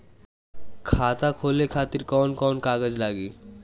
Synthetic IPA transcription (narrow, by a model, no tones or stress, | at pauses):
kʰaːt̪akʰoːlekʰaːt̪ɪɾkɔːnkɔːnkaːɡəd͡ʒlaːɡiː